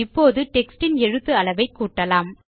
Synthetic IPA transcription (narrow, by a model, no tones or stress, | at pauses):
ɪpːoːðɯʈɛksʈɪnɛɻɯt̪ːɯɐɭɐʋɐɪkːuːʈːɐlaːm